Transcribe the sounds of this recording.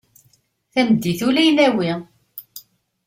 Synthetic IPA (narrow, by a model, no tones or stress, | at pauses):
θæməd̪ːiθulæjnæwi